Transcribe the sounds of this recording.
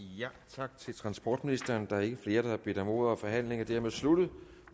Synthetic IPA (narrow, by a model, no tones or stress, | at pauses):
jæt͡sʰɑ̈ɡ̥̚t͡sʰe̝lt͡sʰʁɑ̈nsb̥ɒ̰ːd̥minisd̥ɐːnd̥ɑ̈æɐe̝ɡ̥əfle̝ːɐɾ̥ɑhɑb̥ed̥ɒmo̝̰ːðˠɐɒfɒ̽ɦæn̰le̝ŋɐd̥æɐ̰með̩ˠslud̥ð̩ˠ